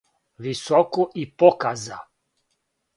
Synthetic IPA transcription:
ʋisɔkoʔipokaza̰

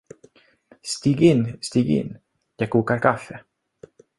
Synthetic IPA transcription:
st̪iːɡɪnːst̪iːɡɪ̰nː | jɑːɡ̚kʰuːkaɾkʰafːɛ

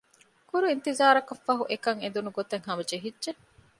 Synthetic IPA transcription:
kuɾuint̪izaːɾɐkɐfːɐɦuʔekɐŋend̪unuɡot̪ɐŋɦɐmɐd͡ʒeɦidʒe

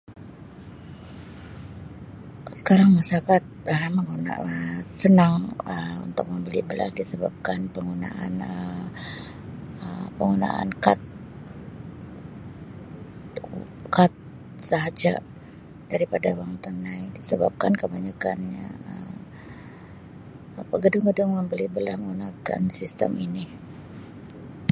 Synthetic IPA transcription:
sə̥kaɾaŋmasakat̪̚əməŋuna̰əsənaŋəṵnt̪ʊk̚məmbəlibəla̰sdisəbap̚kanpəŋɡuna̰ʔa̰nəm | əmpəŋɡuna̰a̰nkat̪̚ | kat̪̚ | saɦad͡ʒa̰ | d̥aɾipadawaŋt̪anːaidisəbap̚kankəbaɲakanɲa̰əm | pəɡədʊŋɡədʊŋməmbəlibəlahməunaka̰nsist̪ə̰mini

